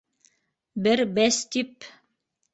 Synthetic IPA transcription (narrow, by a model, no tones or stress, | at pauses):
bɘɾbæst̪ip